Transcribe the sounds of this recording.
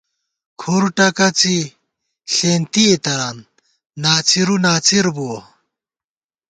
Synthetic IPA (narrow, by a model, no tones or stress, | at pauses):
kʰuɾuʈɐkɐt͡si | ɬeːnt̪iet̪ɐɾaːnː | aːt͡siɾunaːt͡siɾbuo